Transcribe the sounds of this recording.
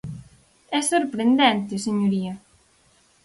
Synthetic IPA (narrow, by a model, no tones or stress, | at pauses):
ɛsoɾpɾend̪ɛnt̪eseɲoɾiɐ